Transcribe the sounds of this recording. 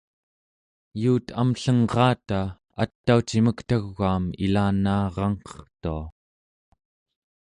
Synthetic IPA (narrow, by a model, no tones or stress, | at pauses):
juːt̪ʰamɬʌŋʁɑːt̪a | a̰t̪ːaut͡ʃiməkt̪aɣːaːmḭlaːnɑːʁɑŋqʌ̥χt̪ua